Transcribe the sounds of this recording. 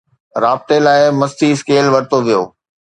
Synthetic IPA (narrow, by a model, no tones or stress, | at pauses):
ɾaːb̚t̪elaːɪmɐst̪ʰiskeːlʋɐɾɪt̪oʋijo̰ː